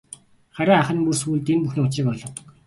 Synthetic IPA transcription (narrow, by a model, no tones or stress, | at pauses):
χaɾʲaːaχə̆npursuːɮt̪empuxnoːt͡ɕiːkɔɮɞ̆q